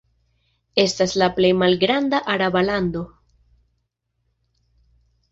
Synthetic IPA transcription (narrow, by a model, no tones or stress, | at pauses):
est̪azlaplejmalɡɾand̪aʔaɾaβaland̪o